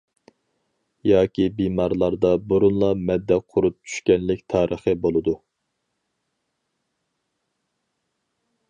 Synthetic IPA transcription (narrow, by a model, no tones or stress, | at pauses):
jɑːkʲibimɑɾlˠɑɾd̪ɑbuɾunlˠɑmɛd̪ːɛqʰʊɾup̚t͡ʃʰy̥ʃkʲɛnlɪkʲt̪ʰɑːɾəχəbolˠɨd̪u